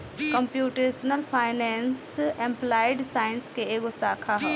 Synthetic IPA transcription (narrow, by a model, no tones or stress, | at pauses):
kəmpjuːʈeːsnəlpʰaːɪnɛːnsɛ̃mplaːɪɖsaːɪnskeeːɡʊsaːkʰaɦɛ